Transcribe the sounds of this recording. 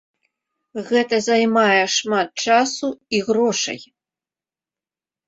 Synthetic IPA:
ɣɛt̪ɐzajmajɛʂmat̪̚t͡ʂasuiɣɾɔʂɐ̰j

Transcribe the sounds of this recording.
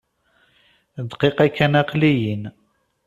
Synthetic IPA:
d̪qiqækːænæqlijin

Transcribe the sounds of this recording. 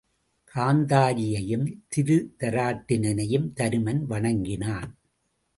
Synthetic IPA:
kʰaːnd̪aːɾɪjɐjɯmt̪ɪðɯt̪ɐɾaːʈːɪnɐnɐjɯmt̪ɐɾɯmɐnʋɐɳɐŋɡɪnaːn

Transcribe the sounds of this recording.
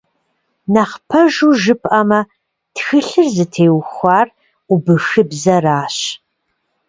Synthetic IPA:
naχpʰɐʒuːʒɨpʼʔɐmɐ | txɨɬɨrzɨtʰeːwxʷɑːr | ubɨxɨbzɐraːɕ

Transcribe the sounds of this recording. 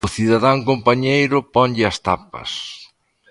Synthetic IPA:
ʊθiðaðaŋkompaɲejɾʊpɔɲʎɪɐst̪apɐ̰s

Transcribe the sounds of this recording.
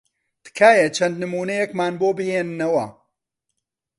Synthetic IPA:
t̪ɨ̥kʰaːjɐt͡ʃʰɐnd̪nɨmuːnɐjɛkmaːnboːbɨheːnɨnɐwɐ̰

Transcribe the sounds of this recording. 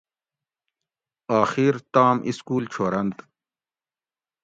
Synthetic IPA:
aːxiːɾt̪aːmʔiskuːlt͡ɕʰoːɾɐnt̪

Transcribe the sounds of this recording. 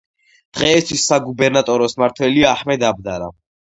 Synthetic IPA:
d̪̥ʁɛːst̪ʰwisːaɡubɛɾnat̪ʼɔɾɔsmaɾt̪ʰwɛliaːħmɛd̪ab̚d̪aɾa̰

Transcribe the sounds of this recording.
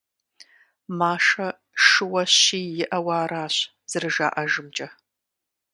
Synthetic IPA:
maːʂɐ | ʂɨwɐɕiːjɪʔɐwaːɾaːɕ | z̥ɨrɨʒa̰ːʔɐʒɨmt͡ʃʼɐ

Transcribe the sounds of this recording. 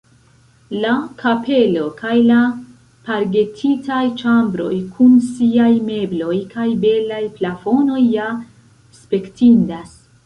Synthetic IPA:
lakʰapʰe̞lo̞kajla | paɾɡe̞tʰitajt͡ʃambɾo̞̰jkʰunsiajme̞blo̞jkajbe̞lajplafo̞no̞jːa | spe̞ktindas

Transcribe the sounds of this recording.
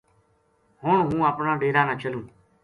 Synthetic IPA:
hoːɳɦũːaːpnaːɖeːɾaːnãːt͡ʃʰəlũː

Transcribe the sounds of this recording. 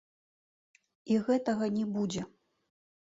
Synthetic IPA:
iɣɛt̪ɐɣɐnʲɛbud͡zʲɛ

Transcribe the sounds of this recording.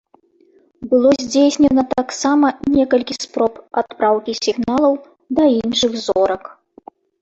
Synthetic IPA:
bɨlˠɔzʲd͡zʲejsʲnʲɛnɐt̪aksamɐnʲɛkɐlʲkʲispɾɔpat̪̚pɾawkʲisʲiɣnalˠɐw | d̪ɐinʂɨɣzɔɾɐk

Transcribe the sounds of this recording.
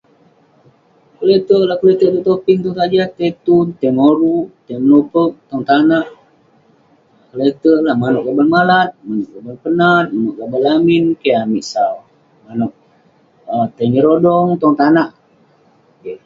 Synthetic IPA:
kəlet̪əʔlahkəlet̪əʔt̪ut̪opiŋt̪ɔŋt̪ad͡ʒat̪et̪unt̪emoɾut̪eməlupək̚t̪ɔŋt̪anaʔ | kəlet̪əlahmanɔʔ̚ɡabəlmalat̪̚manɔʔɡabəlpənat̪̚manɔʔɡabəlaminkeamiʔsaw | manɔʔ̚ | ət̪eɲəɾodɔŋt̪ɔŋt̪anaʔ | ke

